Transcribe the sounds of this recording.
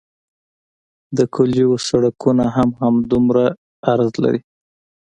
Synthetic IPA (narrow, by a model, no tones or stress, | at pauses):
d̪əkʰʊliwosaɽakunaɦamhamd̪umɾa | aɾzla̰ɾi